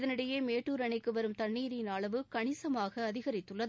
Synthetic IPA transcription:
ðɐnɪɽɐjeːmeːʈːuːɾɐɳɐɪkːɯʋɐɾɯmt̪ɐɳːiːɾɪnaːɭɐʋɯkɐɳɪsɐmaːɣɐːðɪɣɐɾɪt̪ːɯɭːɐð

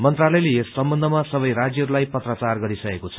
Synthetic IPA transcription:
mʌnt̪ralʌjleesːʌmbʌnd̪ʱʌmasʌbʌjrad͡zjʌɦɾulajpʌt̪rʌt͡sarɡʌɾisʌkekot͡sʰʌ

